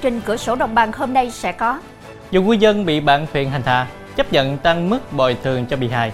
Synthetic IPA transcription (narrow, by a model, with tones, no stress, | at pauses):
t͡ɕï˨˩ŋ̟kɨ̰˧˩əso˧˩ɗə̰˧˨wŋ͡mɓa˨˩ŋhoː˧mna˧jsɛ̰˧˥kɔ˨˦ | zu˨˩ŋwi˧zə˧nɓḭ˧˨ɓaː˧˥nt̪ʰwḭ˧˨ənɦa˨˩jŋ̟t̪ʰa̰ː˧˨˦ | t͡ɕə˦˥p̚ɲə̰˧˨nt̪a˧ŋmɨ˦˥k̚ɓɔ˨˩jt̪ʰɨ˨˩əŋt͡ɕɔ˧ɓḭ˨˩ɦa̰ː˧˩j